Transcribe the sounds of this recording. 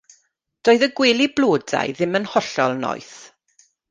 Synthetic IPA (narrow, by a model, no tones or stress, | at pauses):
d̥oːɨðəɡweːlibloːda̰jðɪmənhɔɬɔlˠnɔ̰jθ